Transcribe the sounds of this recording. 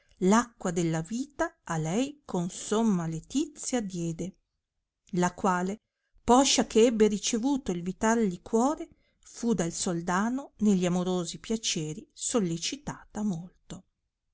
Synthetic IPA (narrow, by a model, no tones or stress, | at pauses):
lakːwad̪elːaviːt̪aːlɛjkʰonsomːalet̪it̪sːjad̪jɛːd̪e | lakwaːle | pɔʃːakeɛbːeɾit͡ʃevuːt̪oilvit̪ald̪ikwɔːɾe | fud̪alsold̪aːnoneʎːiamoɾoːzipjat͡ʃɛːɾisolːet͡ʃit̪aːt̪amolt̪o